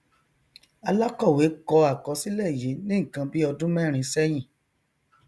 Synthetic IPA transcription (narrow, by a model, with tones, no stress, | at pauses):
a˧la˦kɔ˦˨we˨˦kɔ˧a˨kɔ˧˦si˦lɛ˦˨je˨˦nĩ˦ŋ̩˨kã˧bi˦ɔ˧dũ˦mɛ̃˦˨ɾ̃ĩ˧sɛ˦j̃ĩ˦˨